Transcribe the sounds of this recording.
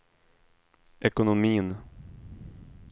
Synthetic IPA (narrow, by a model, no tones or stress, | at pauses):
ʔɛkʊnʊmiːn